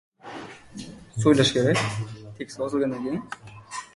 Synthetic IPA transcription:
sojlˠaʃkʲʰeɾɛkʲt̪ʰekʲsɒzɯlˠɡɑnd̪ankʰʲeiŋ

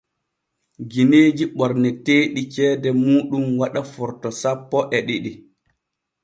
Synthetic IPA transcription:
ɡineːd͡ʒiɓɔɾnɛteːɗit͡ʃɛːdɛmuːɗumwaɗafɔɾtɔsapːɔʔɛɗiɗi

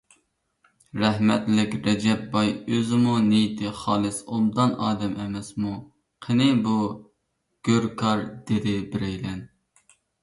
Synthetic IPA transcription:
ɾɛɦmɛt̪lɪkʲɾɛd͡ʒɛp̚bɑjøzɪmunejit̪ʰɪχɑːlˠɨsomd̪ɑnɑːd̪ɛmɛmɛsmu | qʰənɪbu | ɡ̥ʲøɾkʰɑɾd̪ed̪ɪbɪɾɛjlɛn

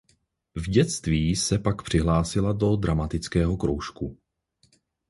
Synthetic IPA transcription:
vɟɛt͡st̪viːsɛpakpr̝̥ɪɦlaːsɪlado̞d̪ɾamat̪ɪt͡skɛːɦo̞kɾowʃku

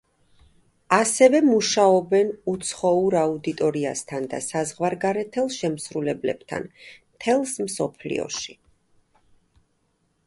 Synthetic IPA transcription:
asɛvɛmuʃaɔbɛnut̪sʰχɔuɾaud̪it̪ʼɔɾiast̪ʰand̪a̰sazʁwaɾɡaɾɛt̪ʰɛlˠʃɛmsɾulɛblɛ̰b̥t̪ʰa̰nmt̪ʰɛlˠsmsɔpʰlḭɔ̰ʃi̥

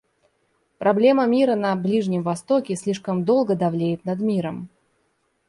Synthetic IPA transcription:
pɾɐblʲe̞məmʲiɾənɐblʲiʐnʲɪmvɐst̪o̞kʲɪsʲlʲiʂkəmd̪o̞lˠɡəd̪ɐvlʲejɪt̪nɐd̪mʲiɾəm

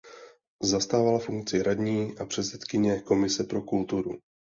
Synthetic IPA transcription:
zast̪aːvalafuŋk̚t͡sɪɾadɲiːʔapr̝̥ɛt̪sɛt̪kɪɲɛko̞mɪsɛpɾo̞kult̪uɾu

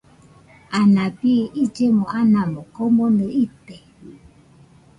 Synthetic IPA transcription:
anãbiʔid͡ʒemɔ̃ʔanãmɔkomonɨit̪e

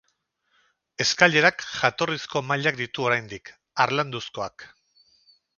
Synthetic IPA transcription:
e̞skaʎe̞ɾakʝat̪o̞risko̞maʎakd̪it̪uo̞ɾajnd̪ik | aɾland̪usko̞ak

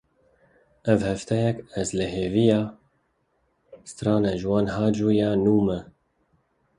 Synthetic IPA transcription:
ʔɛvhɛft̪ʰɛjɛkɛzlɨɦeːvijɑː | st̪ɾɑːnɛʒɨwɑːnɦɑːd͡ʒuːjɑːnuːmɛ

